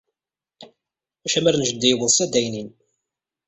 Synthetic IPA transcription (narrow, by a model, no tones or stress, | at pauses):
æʃæmæɾnʒəd̪ːijwəðˤsæd̪æjnin